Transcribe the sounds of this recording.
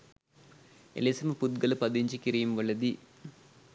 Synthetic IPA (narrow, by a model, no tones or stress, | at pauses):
ḛlesimɐpud̪̚ɡɐlɐpɐd̪iɲt͡ʃikiɾijumʋɐɭːɐd̪i